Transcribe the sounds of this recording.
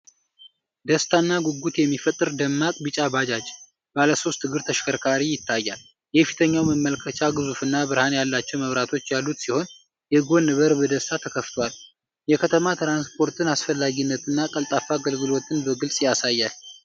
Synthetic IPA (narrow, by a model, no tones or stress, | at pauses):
d̪əst̪ʰanːaɡuɡut̪jɛmːifət̪ʼːɨɾd̪əmːakʼbɨt͡ʃʼabad͡ʒad͡ʒ | b̥aləso̞st̪ʰːɨɡɨɾt̪ʰəʃkʰəɾkʰaɾijɪt̪ʰːajːal | jɛfi̥t̪ʰəɲːawməmːəlkʰət͡ʃʰaɡɨzufɨnːabɨɾhanjalːat͡ʃːɛwməβɾat̪ʰo̞t͡ʃːjalːut̪siho̞n | jɛɨɡo̞nːɨβəɾbəd̪əst̪ʰat̪ʰəkʰəft̪ʰowal | jɛkʰət̪ʰəmat̪ʰɾanspʰo̞ɾt̪ʰɨnasfəlːaɡinːət̪ʰɨnːakʼəlt̪ʼafaɡəlɡɨlo̞t̪ʰɨnbəɡɨlsʼjasajːal